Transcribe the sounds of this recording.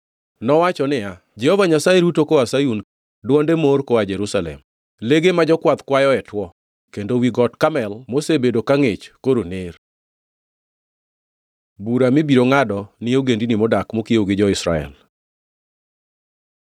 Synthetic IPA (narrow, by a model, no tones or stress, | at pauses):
nɔwat͡ʃɔnɪja | d͡ʒɛhɔvaɲasaeɾutokoasajun | dwɔndemoɾkoad͡ʒɛɾusalɛ̰m | leɡemad͡ʒɔkwat̪kwajɔɛtwɔ | kendowiɡɔtkamɛlmosebedokaŋet͡ʃkoɾonɪr | buɾamɪbiɾoŋadɔnɪoɡendinimodakmokieoɡɪd͡ʒɔɪsɾa̰ɛ̰l